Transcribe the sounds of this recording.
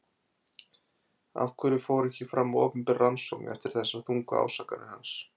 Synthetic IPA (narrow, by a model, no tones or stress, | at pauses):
a̰fkʰvʏɾɪfoːwɾɛhcɪfɾamːɔːpʏmpɪrransɔknɛ̰ft̪ɪɾ̥θɛsːaθuŋka̰a̰ːwsaːkanɪ̰hans